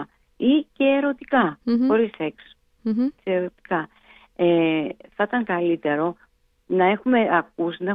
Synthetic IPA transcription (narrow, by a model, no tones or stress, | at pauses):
ice̞ːɾo̞t̪i̥kɐxo̞ɾisekso̥ | seeɾo̞t̪i̥kɐ | eθɐt̪ɐŋkɐlit̪e̞ɾo̞ | nɐe̞xume̞ɐkusinɐe